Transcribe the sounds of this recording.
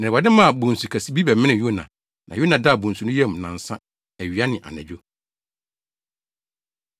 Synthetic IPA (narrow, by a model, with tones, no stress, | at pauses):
nɪ̃˨ba˨dɪ̃˦mã˦˨bũ˨n̩˨su˨kʰæ˨si˦bi˦bɛ˨mɪ̃˦nɪ̃˨ju˦˨nã˨ | nʔã˨jo˦nã˨da˦˨bũ˨n̩˨su˨nʊ̃˦jɛ˦˨m˨nã̰˨n̩˨sã˦ | æ˨ɥi˨a˦nɪ̃˨ʔa̰˨nɛ̰̃˨d͡ʑᶣo˦